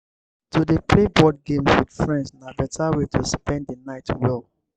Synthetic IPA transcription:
tʰudepʰlebɔd̚ɡẽmswidfɹɛ̃ndsnabɛtʰawetʰuspɛ̃nddənaɪtʰwɛlˠ

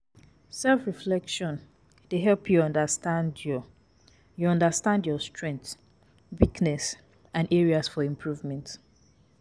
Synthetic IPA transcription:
sɛlfɹiflɛkʃɔ̃n | d̥eɦɛlpʰjuɔ̃ndəstãndɔ | juɔ̃ndəstãndjɔstɹɛ̃ŋkθ | wiknɛs | ʔãnʔɛɹiasfɔĩmpʰɹuvmɛ̃nt

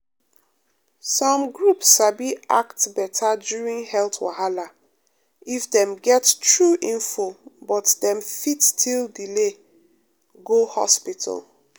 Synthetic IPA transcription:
sɔ̃mɡɹupsʃabiʔa̰ktbɛtʰadjuɹĩŋhɛlˠtwa̰ɦala | ifdɛ̃mɡɛttɹuʔĩnfobɔtdɛ̃mfittʰildile | ɡohɔ̰spitʰə̰lˠ

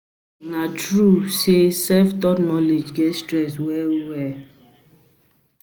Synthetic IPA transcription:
natɾusesɛftɔtnɔled͡ʒɡɛstɾɛswɛwɛ

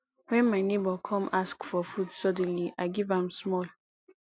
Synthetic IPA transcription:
wɛ̃nmaɪnebɔkʰɔ̃maskfɔfudsɔdɛ̃nliʔaɪɡivãmsmɔl

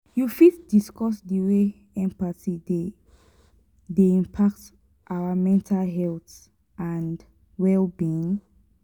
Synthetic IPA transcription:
jufitdiskʰɔsdiwe | ɛ̃mpaside | deĩmpʰak̚t | ʔawamɛ̃ntʰalɦɛlθ | ãnd | wɛlbĩn

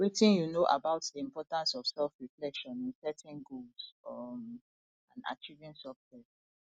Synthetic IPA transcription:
wetĩnjunoʔa̰baʊtdiĩmpʰɔtãnsɔfsɛlfɹiflɛʃɔ̃nĩnsɛtʰɛ̃nɡolsɔm | ãna̰t͡ʃivĩnsɛftɛs

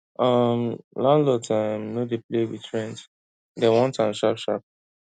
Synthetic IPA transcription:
ʔʌmlãnlɔtamnodeplewitʰɹɛ̃nd | dɛwɔ̃ntãnʃapʃa̰p̚

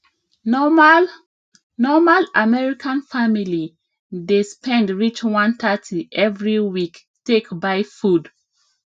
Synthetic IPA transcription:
nɔmalamɛɹikʰãnfamili | despɛ̃ndɹit͡ʃwãnt̪ʰatʰiʔɛvɹiwik | tekbaɪfud

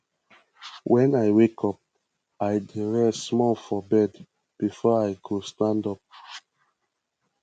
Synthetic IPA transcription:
wʔɛ̃najwekʰɔp̚ | ajdiɹɛsmɔlfɔbɛd | b̥ifɔajkʰudstãndɔp̚

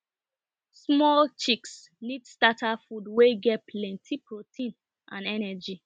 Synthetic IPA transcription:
smɔlt͡ʃiks | nidstatʰafudweɡɛt̚pʰlɛ̃ntʰipʰɹotʰĩn | ʔã̰nɛnɛd͡ʒi

